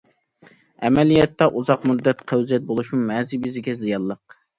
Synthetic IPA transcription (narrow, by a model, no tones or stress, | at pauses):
ɛmɛlijɛt̪ːɛʔuzɑqmud̪ːɛt̪qʰæwzɛt̪̚bolˠuʃmumɛːzibɪzɪɡʲɛzijɑlˠːəq̚